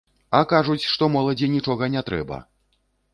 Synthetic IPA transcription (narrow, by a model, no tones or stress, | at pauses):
ɐkaʐut͡sʲʂt̪ɔmɔlˠɐd͡zʲinʲit͡ʂɔɣɐnʲɛt̪ɾɛ̰bɐ̰